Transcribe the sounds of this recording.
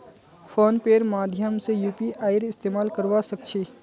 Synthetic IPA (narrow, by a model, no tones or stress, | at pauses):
fʰoːnpeːɾmaːd̪ʱjəmsejuːpiʔaːɪɾɪst̪eːmaːlkəɾʋasək̚t͡ʃʰeː